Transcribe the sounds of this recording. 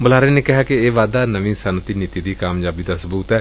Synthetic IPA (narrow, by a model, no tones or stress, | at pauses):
bʊlaːɾeːneːkɪɦaːkɪeːʋaːd̪aːnəʋĩsanət̪iːniːt̪iːd̪iːkaːmjaːbiːd̪asəbuːt̪ɦɛː